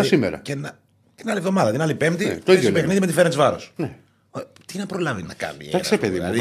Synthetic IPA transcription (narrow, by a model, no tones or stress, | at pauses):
ɐsimḛɾɐ̰cenɐ | t̪inɐlivðo̞mɐðɐt̪inɐlipemt̪it̪oiðjosopexniðimet̪ifeɾɐnt̪izvɐɾo̰sne | o | t̪inɐpɾo̞lɐvinɐkɐ̰mḭeɐkssepeðiɐ